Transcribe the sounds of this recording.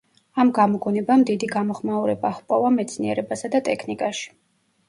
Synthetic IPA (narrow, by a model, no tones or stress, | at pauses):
amɡamɔɡɔnɛbamd̪id̪iɡamɔχmauɾɛbaχpʼɔvamɛt̪sʰniɛɾɛbasad̪at̪ʼɛkʰnikʼaʃi̥